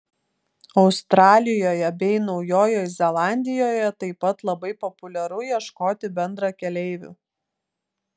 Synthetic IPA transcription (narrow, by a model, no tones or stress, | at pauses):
ɒʊst̪ɾɑːlʲɪjoːjɛbʲɛɪnɒʊjoːjoːjzʲɛlˠɑːnʲd̪ʲɪjoːjɛt̪ɐɪpɐt̪lˠɐbɐɪpɔpʊlʲɛɾʊjiɛʃkoːt̪ʲɪbʲɛnd̪ɾɑkʲɛlʲɛɪʋʲṵː